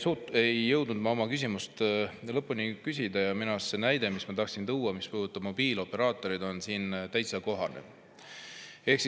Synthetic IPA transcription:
suejːɤ̞wd̪̥nud̪̚mɑomɑkys̬ʲimust̪lɤpːˑunikys̬ʲid̪ɑjɑminɑssenæjd̪̥e̞mismɑt̪ɑhksint̪uwːɑmispuːd̪ut̪ːˑɑb̥mo̞b̥iːlo̞pːe̞ɾɑːt̪ːˑo̞ɾid̪̥o̞nsiːnt̪æjt̪sɑko̞ɦɑnḛ | e̞hks

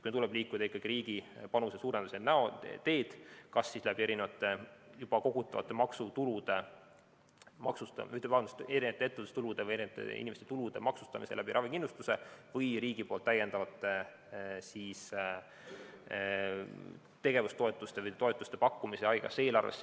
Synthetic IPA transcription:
t̪kunt̪ulɛb̥liːkːud̪ɑikːˑɑɡ̥iɾiːɡ̥ipɑnuse̞suːɾend̪usenæot̪e̞ːd̪̥kɑsːislæbie̞ɾinevɑt̪ːˑejub̥ɑko̞ɡut̪ːˑɑvɑ̰t̪ːˑemɑksut̪ulud̪̥e̞ | mɑksut̪ɑ̰yht̪evɑɑnd̪st̪eɾinet̪eet̪ːed̪u̥st̪ulud̪e̞vɯjeɾint̪ːˑḛḭnimest̪et̪ulud̪e̞̰mɑksu̥st̪ɑ̰mḭse̞̰læbiɾɑvikinlust̪use̞vɤjɾiːɡ̥ipo̞ːlt̪ːæje̞nd̪ɑvɑt̪ːˑe | siːs | t̪e̞ɡ̥e̞vust̪o̞et̪ːˑust̪evɤjt̪o̞e̞t̪ːˑust̪e̞pɑkːumise̞ɑjɡ̥ɑ̰se̞ːlɑrvḛs

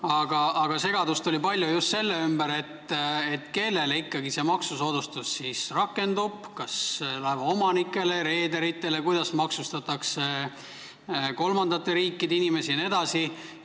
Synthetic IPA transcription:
ɑɡ̥ɑɑɡ̥ɑse̞ɡ̥ɑd̪ust̪olʲipɑlʲjujust̪se̞lːeymbæɾe̞t̪ːet̪ːˑke̞lːe̞leikːɑɡise̞ːmɑksuso̞ːd̪̥ust̪usːisrɑkːˑe̞nd̪ub̥kɑselɑevɑo̞mɑnikːˑe̞le̞ɾe̞ːd̪e̞ɾit̪ːˑe̞le̞kujd̪̥ɑsmɑksust̪ɑt̪ːˑɑkse̞ | ko̞lmɑnd̪ɑt̪ːˑeɾiːkːˑid̪einime̞sine̞d̪̥ɑsi

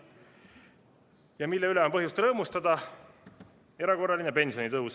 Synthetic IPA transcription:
jɑmilːɛylɛo̞mpɤɦjust̪rɤːmust̪ɑd̪ɑ | e̞ɾɑko̞rːɑlinepe̞nsio̞nit̪ɤuws

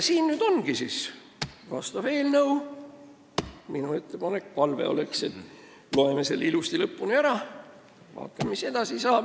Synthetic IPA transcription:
siːnnyd̪̥o̞nɡ̥isis | vɑst̪ɑve̞ːlnɤw | minue̞t̪ːepɑne̞kpɑlve̞̰o̞̰le̞kse̞t̪ | lo̞emeselːilust̪ilɤpːunʲiæɾɑ | vɑ̰ːt̪ːˑɑmmise̞d̪̥ɑsisɑː

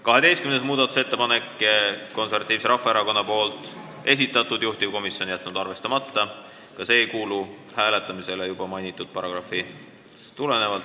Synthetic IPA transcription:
kɑɦe̞d̪e̞jst̪kymnesmuːd̪̥ɑt̪u̥se̞t̪ːe̞pɑne̞kːˑko̞nservɑt̪iːvse̞ɾɑfːˑɑeɾɑko̞nːɑpo̞ːlt̪ˑ | e̞s̬it̪ːˑɑt̪ːˑud̪̥juht̪ivko̞misjo̞njæt̪ːˑnud̪̥ɑrve̞st̪ɑmɑt̪ːɑ | kɑse̞ːjkuːlu | hæːle̞t̪ːˑɑmise̞lejub̥ɑmɑjnʲit̪ːˑud̪̥̚pɑɾɑ̰ɡ̥rɑfi | t̪ule̞ne̞vɑlt̪

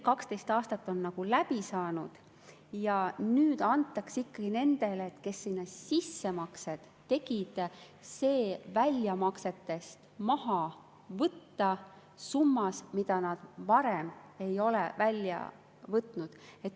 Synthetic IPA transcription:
kɑkst̪e̞jst̪ɑːst̪ɑt̪ːˑo̞nːɑɡ̥ulæpisɑːnud̪̥ | jɑnyːd̪ɑnt̪ːˑɑksikːɑɡ̥ine̞nd̪̥e̞leːt̪ːke̞sːinːɑsisːe̞mɑkse̞d̪̥ːe̞ɡid̪̥se̞ːvælʲjɑmɑkse̞t̪ːe̞st̪mɑhɑ | vɤt̪ːɑ | sumːɑsmid̪̥ɑnɑd̪̥vɑɾeme̞jo̞lḛvælʲjɑ̰ | vɤt̪ːˑnud̪̥e̞t̪ːˑ

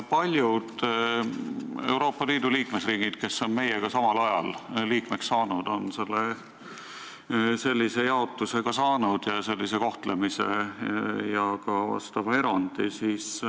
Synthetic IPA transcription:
pɑlʲjud̪̥ | e̞̰wɾo̞ːpːˑɑliːd̪̥uliːkme̞sriːɡ̥id̪̥ke̞sːo̞nme̞jeɡ̥ɑsɑmɑlɑjɑlliːkmeksːɑːnud̪̥o̞nse̞lːe | se̞lʲːise̞jɑo̞t̪ːˑuse̞ɡ̥ɑsɑːnud̪̥jɑse̞lʲːise̞ko̞ht̪lemise̞̰ | jɑkɑvɑ̰st̪ɑvɑe̞ɾɑnd̪̥isiːs

